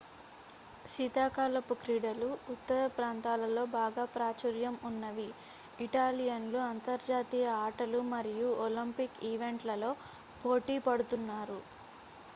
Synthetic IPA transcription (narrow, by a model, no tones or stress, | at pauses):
sit̪aːkaːlɐpukɾiːɽɐluːt̪ːɐɾɐpɾaːnt̪aːlɐlo̞ːbaːɡaːpɾaːt͡ʃɐɾjɐmunːɐʋiː | ʈaːlijɐnloːɐnt̪ɐɾd͡ʒaːt̪ijɐaːʈɐlumɐɾijuolimpikiːʋe̞ɳʈlɐlo̞ː | po̞ːʈiːpɐɽut̪unːaːɾu